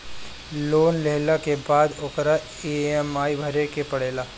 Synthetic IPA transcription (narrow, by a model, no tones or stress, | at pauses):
loːnleɦlakebaːd̪oːkɾa | eɛmaːibʱɐɾekepɐɽeːlaː